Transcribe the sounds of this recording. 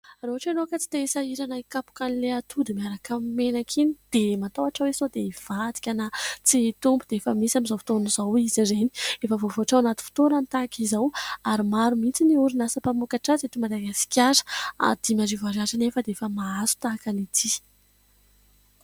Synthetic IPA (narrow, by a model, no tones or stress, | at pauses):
aɾoɦaʈ͡ʂanokət͡si̥t̪eisaiɾanaikapu̥kanileat̪ʰud̪imiaɾakammenakʰinid̪̥emat̪owaʈ͡ʂawesod̪eiv̥ad̪i̥kʲanat͡sit̪umbud̪eefəmisamizafi̥t̪onuzawizizeni̥efəvovoaʈ͡ʂawanat̪i̥fi̥t̪oɾanit̪akizawaɾimaɾumit͡siniuɾinasəpamukaʈ͡ʂazet̪imad̪aɡasi̥kʲaɾə̥a̰d̪̥imaɾivaɾazanefəd̪eefəmaasu̥t̪aːkanit̪ʰi